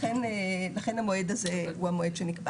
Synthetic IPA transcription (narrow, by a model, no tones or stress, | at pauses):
enelaχe̞nhamo̞ed̪azeuamoed̪ʃenikba